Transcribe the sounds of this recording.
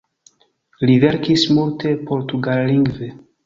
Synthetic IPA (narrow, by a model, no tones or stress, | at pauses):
liveɾkismultʰe̞po̞ɾtuɡalːiŋɡve